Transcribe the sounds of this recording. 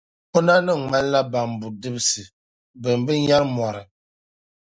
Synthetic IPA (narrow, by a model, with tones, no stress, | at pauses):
o˦na˦nɨ˦˨ŋ͡ma˦n˦la˦ba˨m˨bu˨dɨ˦bɨ˦sɨ˨ | bɨ˨m˨bɨ˦ɲa˦lmwa˨ɾɨ˨